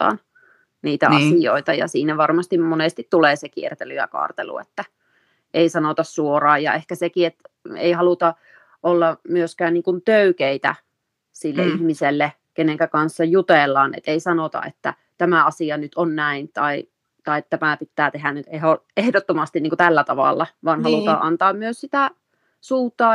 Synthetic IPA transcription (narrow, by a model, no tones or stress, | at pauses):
ɑ̰ːn | niːt̪æɑsijo̰it̪ɑjɑ̰siːnæʋɑrmɑst̪immoneˑst̪it̪t̪uleːsekiḛrt̪elyjɑ̰kɑ̰ːrt̪ḛlṵḛt̪ːæ | ʔeisɑnot̪ɑssuorɑːjɑ̰ehkæsekiet̪ḛihɑlut̪ɑ | ʔolːɑmyøskæːnniːŋkunt̪øykeit̪æ̰ | silːḛihmiselːe | keneŋkækɑnsːɑjut̪eˑlːɑːnḛt̪eisɑnot̪ɑ̰ḛt̪ːæ̰ | t̪æmæɑsiɑnyt̪ʰonnæint̪ɑi | t̪ɑitt̪æmæˑpit̪ːæːt̪ehænnyt̪ehoehdot̪ːomɑst̪inniŋkut̪ælːæt̪ɑʋɑ̰ˑlːɑʋɑːnhɑlut̪ɑːʔɑnt̪ɑːmmyøssit̪æ | suːt̪ːˑɑː